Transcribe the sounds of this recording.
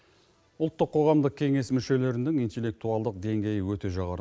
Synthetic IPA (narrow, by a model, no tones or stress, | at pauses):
ʊlˠt̪ːəqʰːo̞ʁɑmd̪əq̚kʲʰe̞ŋe̞smʏʃe̞le̞ɾɪnd̪ɪŋijnt̪e̞lʲːe̞k̚t̪uɑlˠd̪əq̚d̪e̞ŋɡʲe̞jɪwɵt̪e̞ʒɑʁɑɾə